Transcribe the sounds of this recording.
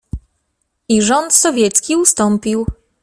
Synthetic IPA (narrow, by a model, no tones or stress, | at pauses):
iʐɔnt̪sɔvʲjɛt̪skʲiust̪ɔmpiw